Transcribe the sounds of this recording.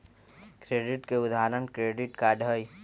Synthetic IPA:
kɾeːɖɪʈkeʊd̪aːɾənkɾeːɖɪʈkaɖʱəj

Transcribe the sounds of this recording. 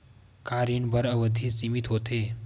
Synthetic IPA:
kaːɾinbəɾɐʋəd̪ʱisimɪt̪ɦoːt̪eː

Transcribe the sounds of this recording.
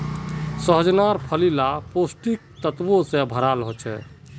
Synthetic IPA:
səɦəd͡ʒnaɾpʰəlilaposʈik̚t̪ət̪ʋosẽbʱəɾalɦot͡ʃʰɛ̰

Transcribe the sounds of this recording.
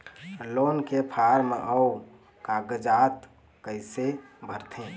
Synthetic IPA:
loːnkepʰaɾmeʔəu | kaɡəd͡ʒat̪ | kəɪsebʱəɾt̪ʰẽ

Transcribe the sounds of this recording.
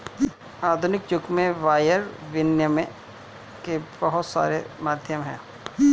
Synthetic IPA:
aːd̪ʱʊnɪk̚t͡ʃʊkmẽʋaːjəɾʋɪnjəmẽ | kebɐɦʊt̪sa̰ːɾemaːd̪ʱjəmɦɛ̰̃ː

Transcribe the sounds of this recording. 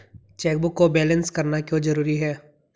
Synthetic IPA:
t͡ʃɛːk̚bʊkːobɛːlə̃nskɐɾnakjõːd͡ʒɐɾuːɾiɦɛː

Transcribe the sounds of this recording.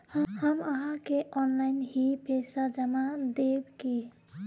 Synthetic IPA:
hhəməɦãkeʔɔnlainhipesad͡ʒəmad̪ebki

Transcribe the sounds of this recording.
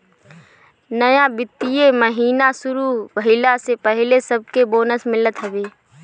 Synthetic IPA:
nəjãbɪt̪ːijeməɦiːnasʊɾuʋəɦɪlasepəɦɪlesəb̚keboːnəsmɪlət̪ɦɐʋeː

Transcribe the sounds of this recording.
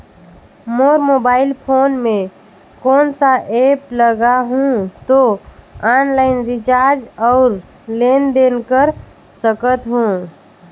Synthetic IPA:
moːɾmoːbaːɪlpʰoːnmẽ | kɔːnsaʔeːpləɡaɦũt̪oaːnlaɪnɾɪt͡ʃaːɾd͡ʒɔːɾ | leːnd̪eːnkəɾ | səkət̪ɦũː

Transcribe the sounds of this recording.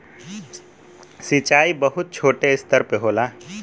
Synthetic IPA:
sɪt͡ʃaːibəɦʊt̪̚t͡ʃʰoːʈeɪst̪əɾpeɦoːlaː

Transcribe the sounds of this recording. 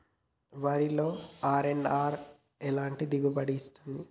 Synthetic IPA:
ʋaːɾilo̞ːaːɾenaːɾ | ɛlaːɳʈid̪iɡubɐɽiːst̪und̪i

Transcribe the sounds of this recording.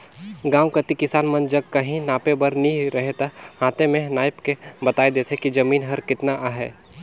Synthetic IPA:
ɡãːwkɐt̪ikɪsaːnmɐnd͡ʒɐɡ̚kɐɦĩnaːpebɐɾnɐĩɾɐɦet̪ahaːt̪emẽnaːɪpkebɐt̪aːed̪eːt̪ʰɦekid͡ʒɐmiːnɦɐɾkɪt̪naʔaːɦɛ̰ː

